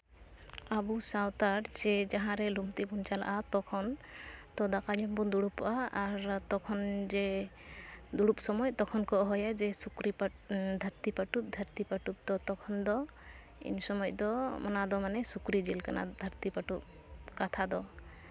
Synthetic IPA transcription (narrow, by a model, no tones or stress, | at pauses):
abusawt̪aɾd͡ʒɛd͡ʒaɦãɾɛlumt̪ibunt͡ʃala̰ʔat̪ɔkʰɔnt̪ɔd̪akaɲɔmbɔnd̪uɽupʔaaɾt̪ɔkʰɔnd͡ʒɛ | d̪uɽup̚sɔmɔjt̪ɔkʰɔnkɔɦɔjad͡ʒɛsukɾip | d̪ʱaɾt̪ipaʈup̚d̪ʱəɾt̪ipaʈup̚d̪ɔt̪ɔkʰɔnd̪ɔ | ḭnsɔmɔjd̪ɔmɔnad̪ɔmanɛsukɾid͡ʒilkana̰d̪ʱəɾt̪ipaʈup̚ | kat̪ʰad̪ɔ